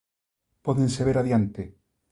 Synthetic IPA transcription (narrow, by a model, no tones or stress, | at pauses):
poðẽnseβeɾaðjant̪e